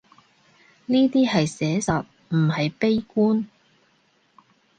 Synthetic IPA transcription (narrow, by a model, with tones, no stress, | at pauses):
niː˥t̪iː˥hɐ˨jsɛː˨˥sɐ˨t̚ | m̩˨˩hɐ˨jpe˥jkuː˥n